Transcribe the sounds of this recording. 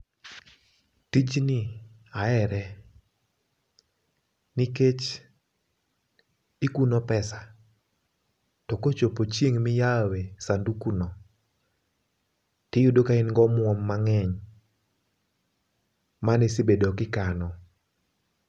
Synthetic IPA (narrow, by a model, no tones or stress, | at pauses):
tit͡ʃnɪ | aɛɾɛ | niket͡ʃ | ɪkunopɛsa | tɔkot͡ʃopot͡ʃjeŋmɪjawesandukunɔ | tɪjudokaɪnŋɡɔmwɔmːaŋɛɲ | manɪsɪbedɔkɪkanɔ